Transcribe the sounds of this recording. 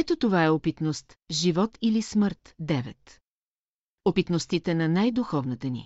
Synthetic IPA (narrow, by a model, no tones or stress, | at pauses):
ɛt̪ot̪ovaɛopit̪nost̪ʒivɔt̪ilisməɾt̪d̪ɛvɛ̰t̪ | opit̪nost̪it̪ɛnɐnajd̪uxɔvnət̪ənḭ